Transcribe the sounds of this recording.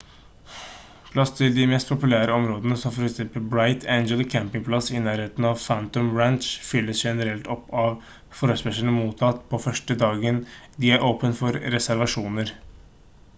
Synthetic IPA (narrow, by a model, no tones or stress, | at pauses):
pʰlɑst̪ʰɪld̪ɪmɛst̪̚pʰʊpʉlæːɾəɔmɾoːd̪ənəsɔmfɔɾɛksɛmpəlbɾaɪt̪ʰeɪnɡəlkʰæmpɪŋpʰlɑsɪnæːɾheːt̪n̩ɑʋfænt̪ɔmɹænʂfʏlːəsʂɛnəɾɛlt̪ɔpːɑʋ | fɔɾəspɛʂəɳəmuːt̪ʰɑt̪ːpʰɔfœʂʈəd̪ɑːɡənd̪ɪæɾʔoːpənfɔɾɾɛsæɾʋɑʂuːnəɾ